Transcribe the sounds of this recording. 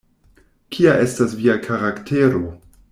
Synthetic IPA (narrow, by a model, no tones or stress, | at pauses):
kʰiaʔe̞stasviakʰaɾaktʰeɾo̞